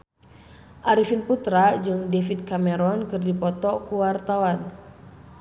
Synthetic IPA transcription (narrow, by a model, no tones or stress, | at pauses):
ʔaɾifinput̪ɾad͡ʒɨŋdefid̚kamɛɾɔnkɨrdipɔt̪ɔkuwart̪awan